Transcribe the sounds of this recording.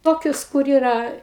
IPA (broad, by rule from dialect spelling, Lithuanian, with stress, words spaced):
ˈtoːkʲʊs kʊr ˈiːrɐ